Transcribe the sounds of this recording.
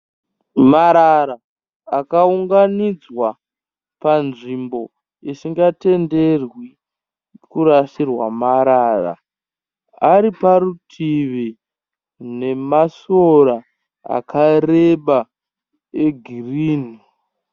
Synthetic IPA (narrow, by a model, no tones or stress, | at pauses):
maɾaɾaː | kauŋɡanid͡zwa | panʐimbo̞ | isiŋɡate̞nde̞rwi | kuɾaʃirwa̰maɾara̰ | aɾiparutʰiʋi | ne̞masoɾa | a̰kʰareɓa | eɡʱiriːni